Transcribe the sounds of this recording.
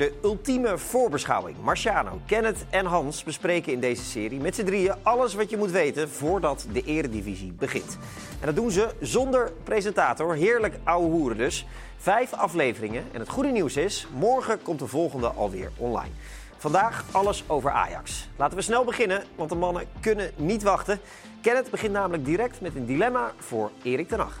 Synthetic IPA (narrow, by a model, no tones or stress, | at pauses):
dəɵlˠtiməv̥ʊːɹbəsχɑ̰wɪ̰ŋmɑɹʃaːno̰wkɛnətɛnɦɑnsbəsprejkəɪndejzəsɪːrimɛtsədrijəɑləsʋɑtjəmutʋejtənvʊːɹdɑtdəʔɪːɾədivizibəχɪ̰nt | ʔɛndɑdunzəzɔndəɹprezəntaːtɔɹɦɪːɹləkawəɦuːɾədɵs | v̥ɛjfɑflejvərɪŋənɛ̰nɦətχudəniwsɪsmɔɹχəkɔmtdəvɔlˠχəndəʔɑ̰lˠʋɪ̰ːɹɔ̰nlɑ̰jn | v̥ɑndaːχɑləsowvəɹʔa̰ːjɑ̰kslaːtəʋəsnɛlˠbəχɪnənʋɑntdəmɑnəkɵnənitʋɑχtə | kɛnətbəχɪnnaːmələɡ̚diɾɛk̚tmɛtəndilɛmav̥ʊːɹɪːɾɪk̚dənɑ̰χ